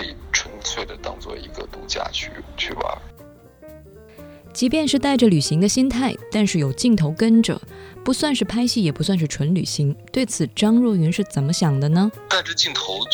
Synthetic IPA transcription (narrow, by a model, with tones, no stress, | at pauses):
i˨˩ʈ͡ʂʰwə˧˥nt͡sʰwe˥˩ɪd̪ə˩t̪ɑ̰˥˧ŋt͡swɔ̰˥˩i˧˥ɡə̰˧t̪u˧˥t͡ɕja̰˥˧t͡ɕʰy˥˩t͡ɕʰy̰˥˩ba̰˩ | t͡ɕi˧˥pjɛ˥˧nʂɻ̩˥˧t̪a˥˩ɪʈ͡ʂə˩ly˨˩ɕi˧˥ŋd̪ə˧ɕi˥nt̪ʰa˥˩ɪt̪a˥˧nʂɻ̩˥˩jo˨˩ʊt͡ɕi˥˩ŋt̪ʰo˧˥ʊkə˥nʈ͡ʂə̰˨˩pu˧˥swa˥˧nʂɻ̩˥˩pʰa˥ɪɕi˥˩jɛ˨˩pu˧˥swa˥˧nʂ̬ɻ̩˥˩ʈ͡ʂʰwə˧˥nly̰˨˩ɕi˧˥ŋt̪we˥˩ɪt͡sʰɹ̩˨˩ʈ͡ʂɑ˥ŋɻɔ˥˩y˧˥nʂɻ̩˥˩t͡sə˨˩nmə˦ɕjɑ˨˩ŋd̪ə˦nə˧t̪a˥˧ʈ͡ʂə˥˧t͡ɕi˥˩ŋt̪ʰo˧˥ʊ